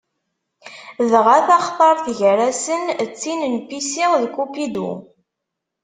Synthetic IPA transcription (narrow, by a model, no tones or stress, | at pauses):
ðʁaθɑχt̪ˤɑɾˤθʝəɾæsənt͡sːinənpisiʁðkupid̪ṵ